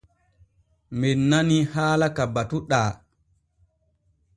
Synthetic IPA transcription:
mɛnːanihaːlakabatuɗaː

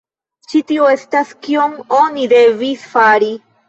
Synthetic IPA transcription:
t͡ʃitioe̞staskioŋo̞nid̪e̞visfaɾi

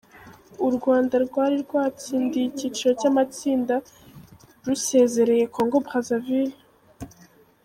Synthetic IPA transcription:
uɾɡwaːndaɾɡwaːɾiɾɡwaːt͡siːndicit͡ʃiɾo̞camat͡siːnda | ɾuse̞ze̞ɾe̞je̞kʰo̞ːŋɡo̞bʁazavil

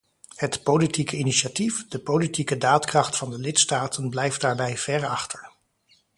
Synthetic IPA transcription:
hətpolitikəiniʃatifd̥əpolitikədaːtkrɑχtfɑndəlɪtstaːtənblɛjft̚d̥aːɹbɛjv̥ɛɹɑχtəɹ

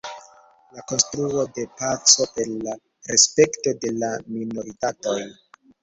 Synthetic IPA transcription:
lako̞nstɾuo̞de̞pat͡so̞pe̞ɾla | ɾespe̞kto̞de̞lamino̞ɾitato̞j

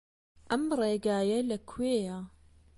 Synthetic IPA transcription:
ʔɐmrˤeːɡaːjɐlɐkʰweːja

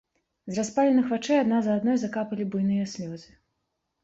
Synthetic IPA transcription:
zraspalʲɛnɨxvat͡ʂɛjad̪nazɐːd̪nɔjzakapɐlʲibujnɨjɐsʲlʲɔzɨ

